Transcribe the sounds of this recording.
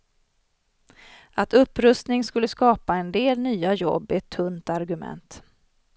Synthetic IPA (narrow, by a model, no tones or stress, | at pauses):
at̪ɵpːɾɵst̪nɪŋskɵlːəskɑːpaɛnd̪eːlnyːajɔ̰bːɪɛt̪ʰːɵnt̪aɾɡɵmɛ̰nt̪